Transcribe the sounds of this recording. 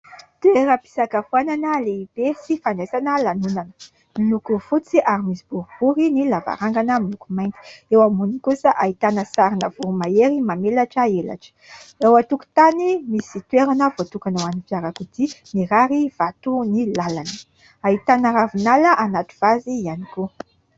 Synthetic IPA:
t̪eɾəpi̥sakafuananəleib̥esifanɖ͡ʐezanəlanunanə̥ | milukufut͡siʔaɾimisibuɾubuɾinilava̰ɾaŋɡanəmilukumajnt̪i̥ewamunikusəʔait̪anəsaɾinəvuɾumaeɾimamelaʈ͡ʂəela̰ʈ͡ʂə̥ewat̪uku̥t̪animisit̪weɾanəvot̪ukanawanipjaɾakud̪iniɾaɾiv̥at̪unilalanə̥ | ait̪anəɾavunaləʔanat̪u̥v̥azianiko

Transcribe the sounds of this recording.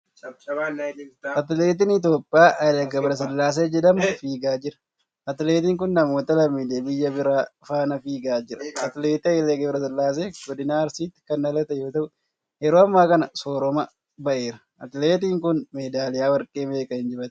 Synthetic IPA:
ʔɐt̪ɪle̞ːt̪̬ɪnɪt̪̬jo̞ːpʼːjaːʔɐlɛɡɐbɾɐs̬ɐlːaːs̬eːd͡ʒɛd̪ɐmfiːɡaːd͡ʒɪɾɐ̥ | ɐt̪leːt̪iːŋkʊnːɐmo̞ːt̪ɐlɐmːiːd̪eːbɪjːɐbɪɾaːfaːnɐfiːɡaːd͡ʒɪɾɐʔɐt̪ɪleːt̪ɪɐleɡɐbɪɾɐsɐlːaːs̬eːɡɔd̪ɪnaːɐɾsiːt̪ːɪ̥kɐnːɐlɐt̪ɐjo̞ːt̪ɐʔʊ | hɛɾoːɐmːaːkɐnɐsoːɾɔmɐ | bɐʔe̞ːɾɐ | ʔɐt̪ɪleːt̪iːŋkʊnmeːd̪aːlɪjaːwɐɾkʼeːmeːkʼɐɪnd͡ʒɪbɐt̪

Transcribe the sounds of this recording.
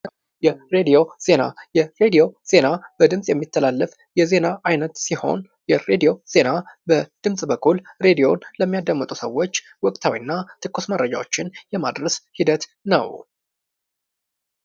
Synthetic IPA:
jɛɾe̞d̪ijo̞z̥e̞najɛɾed̪ijo̞z̥e̞nab̥əd̪ɨmsʼjɛmːit̪ʰːəlalːəf | jɛze̞naajnət̪siho̞̰n | jɛɾed̪io̞z̥e̞nabəd̪̥ɨmsʼbəkʰːulɾe̞d̪ijo̞nləmːijad̪əmːət̪ʼusəwːo̞t͡ʃː | wɔkʼt̪ʰawḭnːat̪ʰɨkːusməɾəd͡ʒa̰wot͡ʃːɪnjɛma̰d̪ɾəshid̪ət̪nə̰w

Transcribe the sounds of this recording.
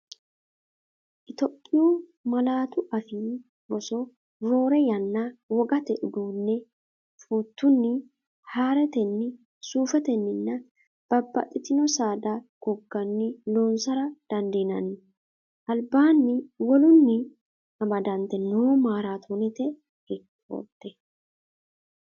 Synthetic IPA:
ʔɪt̪ɔpʼːɪjuːmɐlaːt̪ʊʔɐfi | bɔsɔ | ɾo̞ːɾɛjɐnːawɔɡɐt̪ɛʔʊd̪uːnːɛ | fuːt̪ːʊnːɪ | haːɾɛt̪ɛnːɪ | suːfɛt̪ɛnːɪnːɐ | b̥ɐbːɐ̰t̪ʼːɪt̪ɪnɔsaːd̪ɐɡ̥ɔɡːɐnːɪloːnsɐɾɐd̪̥ɐnd̪inɐnːɪ | ʔɐlbaːnːɪwɔlʊnːɪ | ɐmɐd̪ɐnt̪ɛnoːmaːɾaːt̪ʰoːnɛt̪ɛ | hɪ | o̰t̪ːɛ

